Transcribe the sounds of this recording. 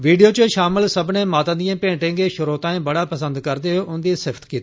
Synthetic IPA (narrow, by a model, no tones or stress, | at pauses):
ʋiːɖijot͡ɕoʃaːmɪlsɐbʱnẽmaːt̪ə̃nd̪ijãpẽːʈẽːŋɡeʃʊɾoːt̪ãːẽbɐɽapɐsə̃nd̪kɐɾd̪eɦoʔʊ̃nd̪isɪfʰt̪kiːt̪ː